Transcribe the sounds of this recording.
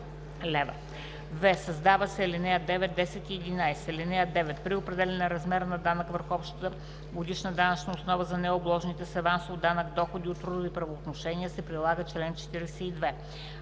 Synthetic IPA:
lɛvə̰ | vɛsɐzd̪avəsɛːlinɛjəd̪ɛvɛt̪̚d̪ɛsɛt̪iɛd̪inajsɛɛlinɛjəd̪ɛvɛt̪pɾiopɾɛd̪ɛlɛnəɾɐzmɛɾnɐd̪anəkvəɾxɔpʃt̪t̪ə | ɡod̪iʃnəd̪anɐt͡ʃnəosnɔvəzɐnɛoblˠɔʒnit̪ɛsɛvansvod̪anəkd̪ɔxod̪iot̪ːɾud̪ipɾɐvoːt̪noʃɛniəsɛpɾilˠaɡət͡ʃlɛnt͡ʃɛ̥t̪iɾɛsɛid̪vɛ

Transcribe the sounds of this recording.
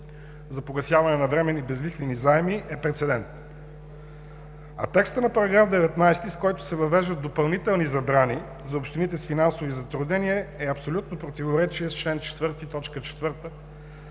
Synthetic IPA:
zɐpoɡɐsʲjavɐnɛnɐvɾɛmɛnibɛzlixvinizaɛmiɛpɾɛt̪sɛd̪ɛnt̪ | ɐ̰t̪ɛkst̪ənɐpɐɾɐɡɾafd̪ɛvɛt̪najst̪iskɔjt̪ʊ̥sɛvɐvɛʒd̪ətd̪opɐlˠnit̪ɛlˠnizɐbɾani | zɐopʃt̪init̪ɛsfinansovizɐt̪ɾʊd̪nɛniəɛɐpsolʲut̪nopɾot̪ivoɾɛt͡ʃiəst͡ʃlɛnt͡ʃɛ̥t̪vɤɾt̪it̪ɔt͡ʃkət͡ʃɛ̥t̪vɤɾt̪ə

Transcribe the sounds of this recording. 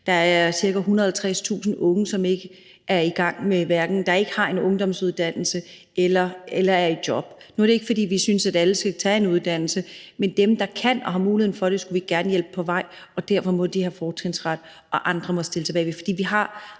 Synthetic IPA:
d̥ɑ̈æɐɐsiɐɡ̥æɦunɐðˠelˠt͡sʰʁɛst͡sʰṵːsn̩ʔɔ̽ŋəsɒ̽me̝ɡ̥ə | ʔæɐiɡ̥ɑ̈ŋ̰meʋæɐɡ̥n̩d̥ɑ̈e̝ɡ̥əhɑ̈e̝nɔ̽ŋd̥ɒ̽msuð̞ˠd̥æn̰l̩sə | elɐelɐæɐidjɒ̽b̥ | nuæɐɾ̥ee̝ɡ̥əfɒ̽d̥ḭːʋisynsæd̥æləsɡ̥æt͡sʰɛ̰ːe̝nuð̞ˠd̥æn̰l̩səmend̥emd̥ɑ̈kʰæn̰ɒ̽ɦɑ̈muːlihe̝̰fɒ̽ɾ̥e̝sɡ̥uʋiɡ̥æɐnəjelb̥əpʰɒ̽ʋɑ̈ɪ̰ | ɒ̽d̥æɐ̰fɒ̽mɔ̽d̥ihæfɒːt͡sʰʁeŋsʁad̥ | ɒ̽ʔɑ̈nd̥ʁɐmɒ̽sd̥e̝ləsɑbɛːɪʋefɒ̥d̥ḭːʋiɦɑ̈

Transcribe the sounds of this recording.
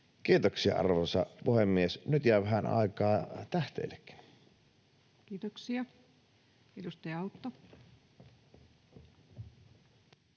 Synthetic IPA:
kiːt̪oksiɑ̰ʔɑ̰rʋosɑ̰puhemːiesnyt̪jæˑʋæhænʔɑ̰ˑikɑːt̪æht̪ḛːlːekːi̥n | kiːt̪oksiɑ | edust̪ɑjɑɑut̪ːo

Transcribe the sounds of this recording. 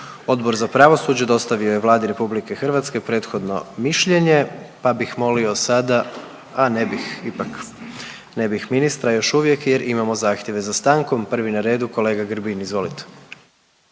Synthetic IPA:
o̞d̪bo̞ɾzapɾaʋo̞suːd͡ʑed̪o̞st̪aʋio̞je̞ʋlˠaːd̪iɾe̞publike̞xr̩ʋat̪ske̞pɾe̞ːt̪xo̞d̪no̞̰miʃʎe̞ɲe̞pabixmo̞lio̞sad̪a | anebixipak | nebixminist̪ɾajo̞ʃuʋjekjeɾʔimamo̞zaːxt̪jeʋe̞zast̪aːŋko̞mpr̩ʋinaɾe̞ːd̪uko̞le̞ːɡaɡɾbinizʋo̞lit̪e̥

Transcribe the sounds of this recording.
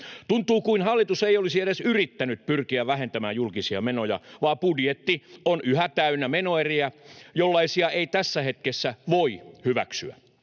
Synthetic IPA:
t̪unt̪uːkuinhɑlːit̪useiolisiedesyrit̪ːænyt̪̚pyrkiæʋʋæɦent̪æmæːjjulkisiɑmenojɑ̰ʋɑːpudjet̪ːionyhæt̪æynːæmenoeriæjolːɑisiɑeit̪æsːæhet̪kesːæʋoihyʋæ̰ksyæ̰

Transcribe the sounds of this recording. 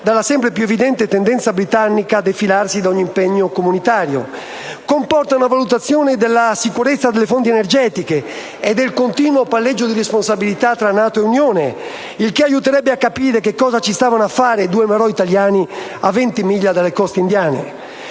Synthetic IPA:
d̪alːasɛmpɾepjuɛevid̪ɛnt̪et̪ɛnd̪ɛnt̪sabɾit̪anːikaːd̪efilarsid̪aɔɲːiimpɛɲːokomunit̪aːɾjo̰ | kompɔrt̪aunavalut̪at̪sːjɔːned̪ɛlːasikuɾɛt̪sːad̪elːefont̪iɛnɛɾd͡ʒɛːt̪ike | ɛd̪elkont̪iːnwopalːɛd͡ʒːod̪irɛsponsabilit̪at̪ːɾanaːt̪oɛunjɔːne | ilkeajut̪ɛɾɛbːeakːapiːɾekekːɔːzat͡ʃist̪aːvanafːaːɾed̪uːemɛɾɔit̪aljaːni | a̰vɛnt̪imiʎːad̪alekɔst̪eind̪jaːnḛ

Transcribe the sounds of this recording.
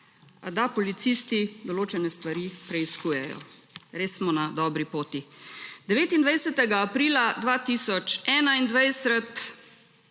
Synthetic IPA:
d̪apɔlit̪siːst̪id̪ɔloːt͡ʃɛnɛst̪ʋaɾiːpɾɛiskuːjɛjɔ̰ɾeːsmɔnad̪ɔːbɾipoːt̪id̪ɛʋeːt̪ind̪ʋajsɛt̪ɛɡaːpɾiːlad̪ʋaːt̪isɔt͡ʃɛːnaind̪ʋajsət̪

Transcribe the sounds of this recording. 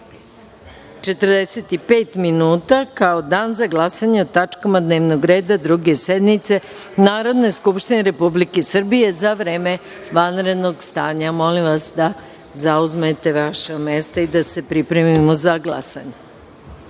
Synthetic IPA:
t͡ʃe̞t̪ərd̪ese̞t̪ipe̞ːt̪minuːt̪akao̞d̪aːnzaɡlˠasaɲe̞ot̪at͡ʃkamad̪ne̞ːʋnoɡɾe̞ːd̪ad̪ɾuɡe̞sed̪nit̪se̞ | naːɾo̞d̪ne̞skupʃt̪ineɾe̞publike̞sr̩bije̞zaʋɾeːme̞ | ʋanɾe̞d̪no̞ɡst̪aːɲamo̞limʋasd̪a | zauzmet̪e̞ʋaʃame̞st̪aid̪ase̞pɾipɾe̞mimo̞zaɡlˠa̰sa̰ɲe

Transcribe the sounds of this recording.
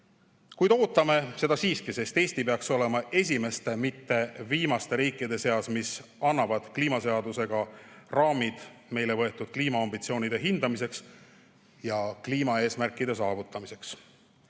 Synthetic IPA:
kujd̪o̞ːt̪ːˑɑme̞se̞d̪ɑsiːskise̞st̪e̞ːsʲt̪ipeɑkso̞le̞mɑʔe̞s̬ʲime̞st̪e̞mit̪ːe̞viːmɑst̪e̞ɾiːkːˑid̪̥e̞se̞ɑsmisɑnːɑvɑd̪̥kliːmɑse̞ɑd̪use̞ɡ̥ɑrɑːmid̪̥me̞jle̞vɤ̞e̞t̪ːˑud̪̥̚kliːmɑɑmbit̪sio̞ːnʲid̪̥e̞ɦind̪̥ɑmise̞ks | jɑkliːmɑe̞ːsmærkːˑid̪̥e̞s̬ɑːvut̪ːˑɑmise̞ks

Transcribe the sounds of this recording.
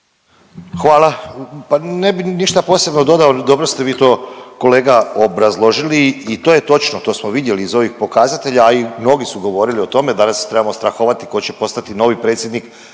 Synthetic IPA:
xʋaːlˠapanebiniʃt̪apo̞se̞bno̞d̪o̞d̪aod̪o̞bɾost̪e̞ʋiːt̪o̞ːko̞leːɡaobɾazlˠo̞ʒiliːt̪ojet̪o̞t͡ʃnot̪o̞ːsmo̞ʋid̪je̞liːzo̞ʋixpo̞kazat̪e̞ʎaːimno̞ɡisuɡo̞ʋo̞ɾilio̞t̪o̞me̞d̪anast̪ɾe̞bamo̞st̪ɾaxoʋat̪iko̞t͡ɕepo̞st̪at̪ino̞ːʋipɾe̞ːt̪sʲjed̪nik

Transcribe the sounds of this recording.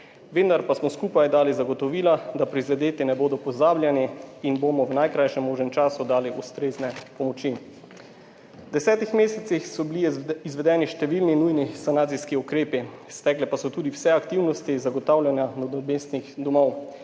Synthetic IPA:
ʋend̪aɾpasmɔskuːpajd̪aːlizaɡɔt̪ɔʋiːlad̪apɾizɛd̪eːt̪inɛboːd̪ɔpɔzaːblʲjaniːnbomɔwnajkɾajʃɛmːoːʒnɛmt͡ʃaːsud̪aːliʔust̪ɾeːznɛpɔmɔt͡ʃi | wd̪ɛsɛːt̪ixmeːsɛt̪ixsɔbiliizʋɛd̪ɛːniʃt̪ɛʋiːlninujnisanaːt̪siskiukɾeːpist̪ɛklɛpasɔt̪uːd̪iwsɛakt̪iwnɔst̪izaɡɔt̪aːwlʲjanjanɔd̪ɔbest̪nixd̪ɔmɔw

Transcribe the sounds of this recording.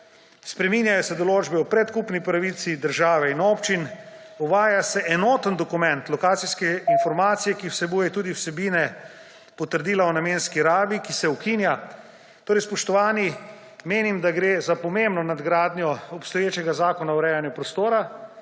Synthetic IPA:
spɾɛminjajɔsɛd̪ɔloːd͡ʒbɛupɾɛt̪kupnipɾaʋit̪sid̪əɾʒaːʋɛinoːpt͡ʃin | uʋaːjasɛʔɛnoːt̪ənd̪ɔkumɛ̃nt̪lɔkaːt̪siskɛinfɔɾmaːt̪sijɛkiwsɛbuːjɛt̪uːd̪iwsɛbiːnɛ | pɔt̪əɾd̪iːlawnameːnskiɾaːbikisɛukinja | t̪oːɾɛjspɔʃt̪ɔʋaːni | meːnimd̪aɡɾeːzapɔmembnɔnad̪ɡɾaːd̪nʲjɔɔpst̪ɔjeːt͡ʃɛɡazaːkɔnawɾɛːjanjupɾɔst̪oːɾa

